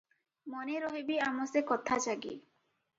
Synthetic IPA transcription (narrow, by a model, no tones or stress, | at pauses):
mɔneɾɔɦibiamɔsekɔt̪ʰat͡ʃaɡḭ